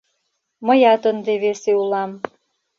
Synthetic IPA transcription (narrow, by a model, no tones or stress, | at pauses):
mə̆jɑt̪ənd̪eβeseulɑm